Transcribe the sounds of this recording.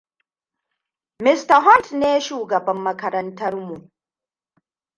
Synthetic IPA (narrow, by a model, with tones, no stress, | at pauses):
mɪ˦stɐ˨ɦɔ˦ntneː˦ʃuː˨ɡɐ˨bɐ˦mːɐ˦kɐ˦ɾɐ˦ntɐ˦ɾmu˨ʔ